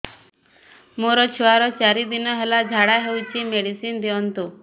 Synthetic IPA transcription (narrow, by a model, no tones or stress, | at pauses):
moɾɔt͡ɕʰuaɾɔt͡ɕaɾid̪inɔɦelad͡ʑʱaɽaɦewt͡ɕimeɽisiːnd̪iɔnt̪u